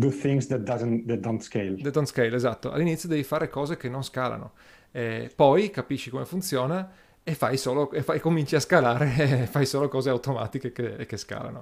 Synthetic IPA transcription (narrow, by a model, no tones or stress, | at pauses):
duθɪ̃ŋzdɛt̚dazə̃nd̪ɛt̚dõntskeɪld̪ɛt̪d̪ont̪skejlezat̪ːoa̰lːinit̪sjod̪ɛːvifaːɾekɔːzekenːonskaːla̰no̰ | ɛpɔjkapiʃːikomefunt̪sjoːna | efːajsoːloefaikːomint͡ʃiaskalaːɾefajsoːlokɔːzeawt̪oma̰ːt̪ikekekːeska̰ːla̰no̰